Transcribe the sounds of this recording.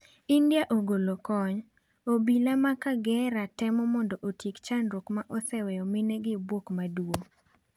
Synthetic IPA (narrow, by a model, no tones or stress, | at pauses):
indjaʔoɡolokɔɲ | obilamakaɡɛɾatɛmɔmɔndɔʔotjekt͡ʃanɾokmaʔɔsɛwɛjɔmɪnɛɡɪbwokmadwo